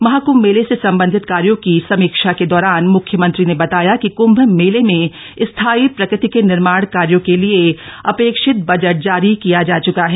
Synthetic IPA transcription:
mɐɦaːkumːeːlesesɐ̃mbə̃nd̪ʱɪt̪kaːɾjõkisɐmiːkʃaked̪ɔːɾaːnmʊkʰjəmɐ̃nt̪ɾinebɐt̪aːjakikʊ̃mbʱmeːlemẽ | ɪst̪ʰaːipɾɐkɾɪt̪ikenɪɾmaːɽ̃kaːɾjõkelieɐpeːkʃɪt̪̚bɐd͡ʒəʈ̚d͡ʒaːɾikijad͡ʒaːt͡ʃʊkaɦɛː

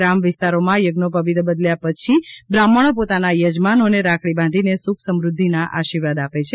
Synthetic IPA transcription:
ɾamʋɪst̪aɾomãjəɡnopəʋid̪bəd̪ljapət͡ʃʰibɾaməɽ̃opot̪anajəd͡ʒmanoneɾakʰɽibãnd̪ʱinesukʰsəmɾud̪ʱːinaʔa̰ʃiɾʋad̪apet͡ʃʰe

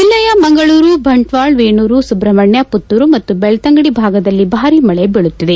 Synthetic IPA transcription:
d͡ʒilːɐjɐmɐŋɡɐɭuːɾubʱɐɳʈʋaːɭʋeːɳuːɾusubɾɐmɐɳjɐput̪ːuɾumɐt̪ːubɛɭɐt̪ɐŋɡɐɽibʱaːɡɐd̪ɐlːibʱaːɾiːmɐɭebiɭut̪ːid̪e̞

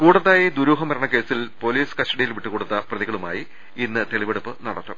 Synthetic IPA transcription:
kuːɽɐðaːjed̪uɾuːɦɐmɐɾɐɳɐke̞ːsilpo̞liːskɐsʈɐɽijilʋiʈːukoːɽut̪ːɐprɐðiɣɐɭuma̰ːji | inːɨt̪e̞ɭiʋe̞ɽupːɨnɐɽɐt̪ːum

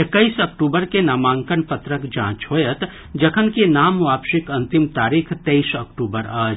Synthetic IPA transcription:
ekːəisɐk̚ʈuːbəɾkenaːmãːŋkənpɐt̪ɾəkd͡ʒã̰ːt͡ʃɦoːjət̪ | d͡ʒɐkʰənkenaːmʋaːbʃɪkɐ̃nt̪ɪmt̪aːɾiːkʰt̪eisɐkʈuːbəɾaːd͡ʒ

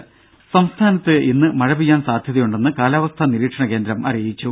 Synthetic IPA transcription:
sɐmst̪ʰaːnɐt̪ːɨʔinːɨmɐɻɐbijːaːnsaːd̪ʱjɐðɐjuɳɖe̞nːɨkaːlaːʋɐst̪ʰɐniɾiːʈʂɐɳɐke̞ːnd̪ɾɐmʔɐ̰rijit͡ɕːu

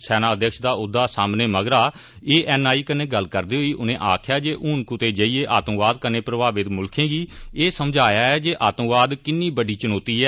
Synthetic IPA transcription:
sɛːnãːəd̪jəkʃd̪aːʊd̪ːaːsaːmneːməɡɾaː | eːʔɛːnaːiːkəneːɡəlːkəɾd̪iːɦoːiːʔʊnẽːʔaːkʰjaːd͡ʒeːʔuːnkʊt̪eːd͡ʒəːiːeːʔaːt̪ə̃ʋaːd̪kəneːpɾəbaːʋɪt̪mʊlkʰẽːɡiːeːsəmd͡ʒʱaːjaːɛːd͡ʒeːʔaːt̪ə̃ʋaːd̪kɪnːiːbəɖiːt͡ʃənoːt̪iːɛː

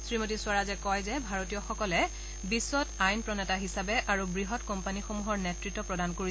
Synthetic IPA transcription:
sɹimot̬isʊaɹazɛkɔjzɛbʱaɹotijɔxɔkɔlɛ | bisːɔtajnpɹɔnɛtaɦisabɛʔaɹubɹiɦɔtkɔmpanixomuɦɔɹnɛtɹitːɔpɹɔdankoɹi

